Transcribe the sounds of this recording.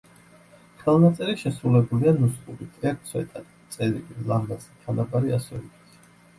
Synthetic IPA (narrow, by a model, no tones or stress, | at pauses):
χʰvɛlˠnat̪sʼɛɾiʃɛsɾulɛbulianuskʼuɾit̪ʼɾiak̚t̪sʰwɛ̰t̪ʼat̪t̪sʼɛɾḭlilˠamazit̪ʰanabaɾiasɔbit̪ʰ